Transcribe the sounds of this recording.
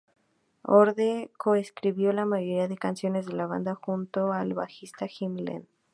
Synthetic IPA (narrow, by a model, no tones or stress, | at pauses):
oɾðekoeskɾiβjo̞lamaʝo̞ɾiaðe̞kansjo̞ne̞zðe̞laβa̰nd̪axunt̪o̞alβa̰xist̪aximlḛn